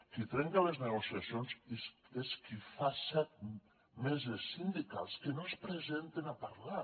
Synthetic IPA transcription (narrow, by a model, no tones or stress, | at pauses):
kit̪ɾɛŋkalezneɣosiasionzseskifasɛt̪̚ | mezesːind̪ika̰lskenospɾezent̪enapaɾla